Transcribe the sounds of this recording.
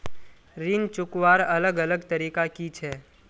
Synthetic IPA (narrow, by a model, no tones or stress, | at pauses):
ɾiːnt͡ʃʊkwaːɾɐləɡɐləɡt̪ɐɾiːkakit͡ʃʰɛː